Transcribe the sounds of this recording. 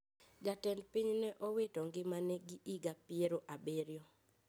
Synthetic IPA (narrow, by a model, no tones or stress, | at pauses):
ɡatɛnpiɲnɛʔɔwetɔŋɡɪmanɛɡɪʔiɡapɪeɾoʔabeɾjo